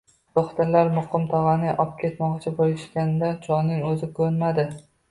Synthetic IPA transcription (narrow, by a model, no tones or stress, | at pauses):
t̪oχt̪aɾlaɾmʊqɨmt̪ʰɒʁɑnɪʔɒp̚kʲʰe̞t̪mɒqt͡ʃʰɪbolɪʃkʲand̪at͡ʃʰɒnːɪŋɵzɪkʰɵɾnmad̪ɪ